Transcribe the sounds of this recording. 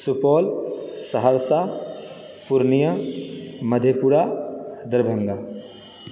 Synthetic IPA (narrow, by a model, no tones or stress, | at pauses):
supɔːlsɐɦəɾsa | puɾnijə | mɐd̪ʱjepuɽad̪əɾbʱə̃ŋɡaː